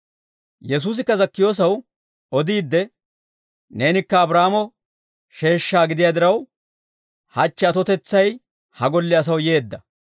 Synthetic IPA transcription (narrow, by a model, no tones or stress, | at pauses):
jɛs̬uːs̬ɪkːɐzɐkːɪjo̞ːs̬ɐw | ɔd̪iːd̪ːɛ | ne̞ːnɪkːɐːbɾaːmɔ | ʃe̞ːʃːaːɡɪd̪ɪjaːd̪ɪɾɐw | hɐt͡ʃːɛɐt̪ɔt̪ɛt͡sːɐj | hɐɡɔlːɪɐs̬ɐwje̞ːd̪ːɐ